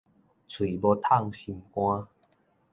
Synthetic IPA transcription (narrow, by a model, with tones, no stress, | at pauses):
t͡sʰwi˨˩bɔ˧t̪ʰa˥˧˨ŋɕi˧nkw̃ã˦